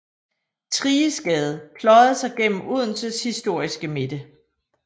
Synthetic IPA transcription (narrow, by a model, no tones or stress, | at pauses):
t͡sʰʁiːəsɡ̥ɛð̞ˠpʰlɒ̽ɪð̩ˠsɑ̈ɪɡ̥en̰m̩uð̞̰ˠn̩səshisd̥o̝ɐ̰isɡ̥əme̝d̥ə